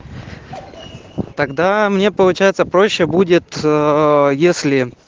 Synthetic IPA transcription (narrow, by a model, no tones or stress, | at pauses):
t̪ɐɡd̪amnʲe̞pəlˠʊt͡ɕæjɪt̪səpɾo̞ɕːɪbudʲɪt̪ | jesʲlʲɪ